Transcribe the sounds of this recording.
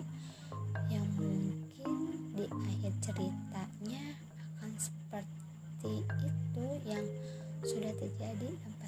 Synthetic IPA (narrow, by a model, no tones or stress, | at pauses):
jaŋmuŋkɪndiʔahɪrt͡ʃəɾit̪aɲaː | kansə̥pər | t̪iːt̪ujaŋ | sudaht̪ərd͡ʒadilampa